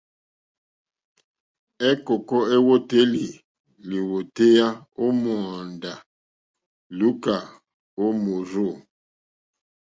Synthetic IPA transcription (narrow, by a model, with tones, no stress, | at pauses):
ɛ˦kɔ˨kɔ˦e˦wo˦te˦li˨ | li˨wo˨te˦ja˦o˦mɔ˨nda˨ | lu˦ka˨ | o˦mo˨ɾo˦˨